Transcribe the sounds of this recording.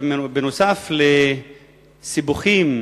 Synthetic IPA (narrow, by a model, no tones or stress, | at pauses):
benosafle | sibuχim